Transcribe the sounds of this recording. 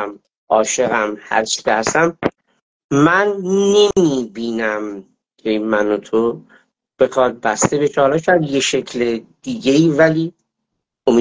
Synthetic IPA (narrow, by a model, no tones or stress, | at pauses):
m | ʔɒːʃe̞ɣæmhæ̰ɾt͡ʃʰi̥cehæst̪æm | mænːe̞miːbiːnæm | kʰe̞mænot̪ʰo | b̥e̞xɒːd̪̚bæst̪e̞be̞t͡ʃʰɒːlɒːcʰæɾd̪je̞ʃe̞cʰled̪̥iːɟe̞iːvæliː | omi